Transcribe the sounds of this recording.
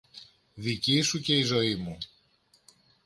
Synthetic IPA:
ðicisuce̞izo̞imu

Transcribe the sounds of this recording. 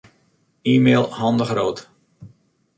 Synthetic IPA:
iːmeːlˠhɑndəxroːt

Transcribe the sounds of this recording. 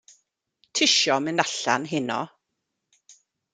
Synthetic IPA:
tʰɪʃɔmɪnaɬa̰nɦɪnɔ̰

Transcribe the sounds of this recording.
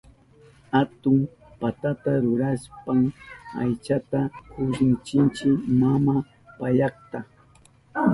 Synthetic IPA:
at̪ʊm | pat̪at̪aɾʊɾaspaŋa̰jt͡ʃat̪akʊʃɪnt͡ʃɪnt͡ʃɪmama | paʎɑχt̪a

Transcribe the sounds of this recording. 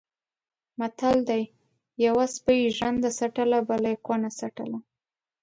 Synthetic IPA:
mat̪ald̪aj | jawaspəjiʒand̪asaʈəlabalajkonasaʈəla

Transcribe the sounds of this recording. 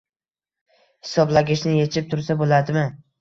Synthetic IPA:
hɪsɒblaɡʲɪʃnɪje̞t͡ʃʰɪp̚t̪ʰʊɾsabolad̪ɪmɪ

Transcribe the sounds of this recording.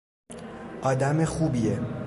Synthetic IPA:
ʔɒːd̪æmexuːbie

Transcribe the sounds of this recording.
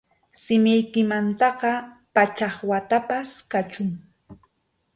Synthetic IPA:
sɪmɪjkɪmant̪ɑqɑpat͡ʃɑχwat̪apaskat͡ʃʊŋ

